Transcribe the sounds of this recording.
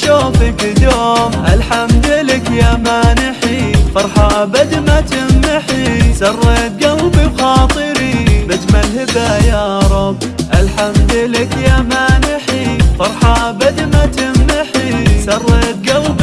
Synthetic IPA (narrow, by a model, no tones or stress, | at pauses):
ʃoːfikd̪oːʔalħamd̪ɪlɪkjamaːnɪħifɑɾˤħɑʔabad̪mat̪ɪmːɪħisɑrˤːeːt̪̚ɡawbixɑːt̪ˤɨɾibɪt̪malhɪbajɑːɾˤɑbʔalħamd̪ɪlɪkjamaːnɪħifɑɾˤħɑʔabad̪mat̪ɪmːɪħisɑrˤːeːt̪̚ɡawb